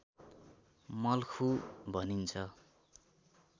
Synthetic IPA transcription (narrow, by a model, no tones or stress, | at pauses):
mʌlkʰubʱʌnint͡sʰʌ